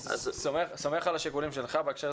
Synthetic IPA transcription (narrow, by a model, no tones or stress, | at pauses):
a̰zsomeχsomeχalaʃikulimʃe̞lχabeekʃeʁ